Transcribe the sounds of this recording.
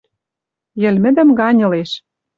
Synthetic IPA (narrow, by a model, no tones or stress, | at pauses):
jɘ̆lmɘ̆d̪ɘ̆mɡɑnʲɤ̆leʃ